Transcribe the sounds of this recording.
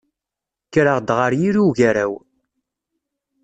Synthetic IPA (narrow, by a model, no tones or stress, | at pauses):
kːɾəʁd̪ʁəɾjiɾuʝæɾæw